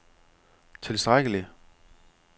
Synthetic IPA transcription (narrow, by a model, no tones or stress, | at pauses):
t͡sʰe̝lsd̥ʁaɡ̥əli